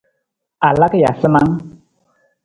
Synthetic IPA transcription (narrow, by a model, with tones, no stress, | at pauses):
a˨la˦kja̰˨sə˦ma˦ŋ